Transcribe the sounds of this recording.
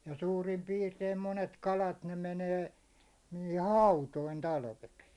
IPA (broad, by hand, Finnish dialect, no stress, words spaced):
jɑ suːrim piːrteim monet kɑlɑt ne meneː ni̥ːhi̥ hɑutoin tɑlʋeks